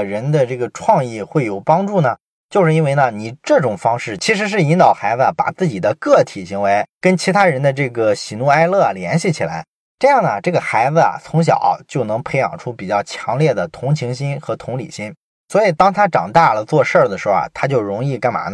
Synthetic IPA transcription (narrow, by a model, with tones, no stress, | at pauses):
ɻə˧˥nd̪ə˧ʈ͡ʂɤ˥˩ɡə˩ʈ͡ʂʰwɑ˥˧ŋi˥˧xwe˥˩ɪjo˨˩ʊpɑ˥ŋʈ͡ʂu˥˩nə˩ | t͡ɕjo˥˧ʊʂɻ̩˥˧i˥nwe˥˧ɪnə˧ni˨˩ʈ͡ʂɤ˥˩ʈ͡ʂʊ˨˩ŋfɑ˥ŋʂɻ̩˥˩t͡ɕʰi˧˥ʂ̬ɻ̩˧˥ʂ̬ɻ̩˥˩i˧˥nt̪ɑ˨˩ʊxa˧˥d͡zə˧˨˩pa̰˨˩t͡sɹ̩˥˩t͡ɕi˨˩d̪ə˦kɤ˥˩t̪ʰi˨˩ɕi˧˥ŋwe˧˥ɪkə˥nt͡ɕʰi˧˥t̪ʰa˥ɻə˧˥nd̪ə˧ʈ͡ʂɤ˥˩ɡə˩ɕi˧˩nu˧˥˧a˥ɪlɤ˥˩ljɛ̰˧˥nɕi˥˩t͡ɕʰi˨˩la˧˥ɪ | ʈ͡ʂɤ˥˧jɑ˥˩ŋnə˩ʈ͡ʂɤ˥˩ɡə˩xa˧˥ɪd͡zə˧ɐ̰˩t͡sʰʊ˧˥ŋɕ̬jɑ̰˨˩˦t͡ɕjo˥˩ʊnɤ˧˥ŋpʰe˧˥ɪjɑ̰˨˩ŋʈ͡ʂʰu˥pi˨˩t͡ɕjɑ˥˩ʊt͡ɕʰjɑ˧˥ŋljɛ˥˩d̪ə˩t̪ʰʊ˧˥ŋt͡ɕʰi˧˥ŋɕi˥nxɤ˧˥t̪ʰʊ˧˥ŋlḭ˨˩ɕi˥ŋ | swɔ˧˥i˨˩t̪ɑ˥ŋt̪ʰa˥ʈ͡ʂɑ̰˨˩ŋt̪a˥˩lə˩t͡swɔ˥˧ʂə˞˥˩d̪ə˩ʂɻ̩˧˥xʊ˥a̰˩t̪ʰa˥t͡ɕjo˥˩ʊɻʊ˧˥ŋi˥˩ka˥nma̰˨˧˥n